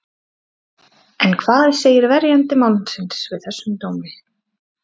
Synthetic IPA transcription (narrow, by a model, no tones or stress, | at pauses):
ɛnkʰvaːðɪseːjɪɾvɛɾjant̪ɪmawlnsɪnsvɪðθɛsːʏmt̪oːwmɪ